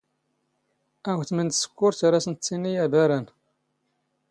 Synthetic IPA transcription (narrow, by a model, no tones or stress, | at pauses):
æwθmənd̪sə̥kːʊɾθaɾæsənt͡sːinːijæbæɾæn